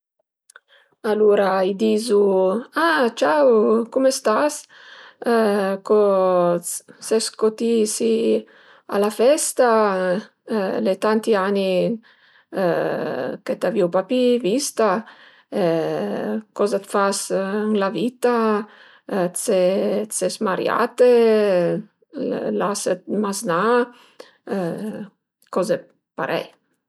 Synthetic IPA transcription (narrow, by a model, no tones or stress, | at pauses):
aluɾaid̪iːzuat͡ʃawkumest̪as | kɔ | sɛskot̪isi | a̰lafɛst̪a | let̪ant̪iani | ket̪aviwpapivist̪a | kɔzat̪fasŋlavit̪a | t͡set͡sesmaɾja̰t̪e | lasət̪̚mazna | kɔze | pa̰ɾʔɛ̰j